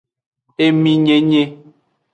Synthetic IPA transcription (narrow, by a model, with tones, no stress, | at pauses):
e˦mĩ˨ɲe˨ɲe˦